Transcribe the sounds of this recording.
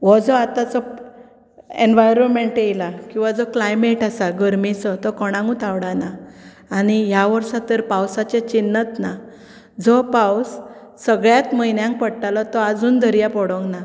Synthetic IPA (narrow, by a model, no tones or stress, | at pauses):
ʋɔd͡zɔat̪at͡sɔ | enʋajɾɔnmeɳʈejlakĩw̃ʋad͡zɔklajmeʈasaɡəɾmit͡sɔt̪ɔkɔɽ̃ãŋɡũt̪aʋɽanaː | ɽ̃ijaʋəɾʂat̪əɾpawsat͡ɕet͡ɕinːət̪na | d͡zɔpawsː | əɡɭjat̪məjnjãŋk̚pəɽʈalɔt̪ɔad͡zuːnd̪ʱəɾjapɔɽɔ̃ŋɡna